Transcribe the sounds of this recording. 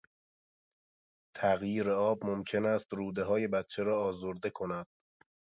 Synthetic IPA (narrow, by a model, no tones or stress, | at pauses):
t̪ʰæɣjiːɾeɒːbmomcʰe̞næːst̪ɾuːd̪e̞ɦɒːje̞bæt̪t͡ʃʰeɾɒːɒːzoɾd̪e̞kʰo̞næd̪̥̚